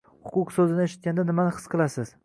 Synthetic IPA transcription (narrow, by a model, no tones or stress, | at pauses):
hʊqʊqsɵzɪnɪeʃɪt̪̚kʲand̪anɪmanɪqʰɨ̥sqʰɨlˠasɪz̥